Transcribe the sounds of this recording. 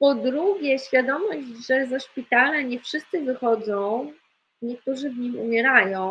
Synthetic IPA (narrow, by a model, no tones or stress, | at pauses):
pɔd̪ɾuɡʲjɛɕfʲjad̪ɔmɔʑʐɛzaʂpʲit̪alaɲɛfʂɘst̪sɘvɘxɔd̪zɔ̃w̃ | ɲɛk̚t̪uʐɘvɲimṵmʲjɛɾajɔ̃w̃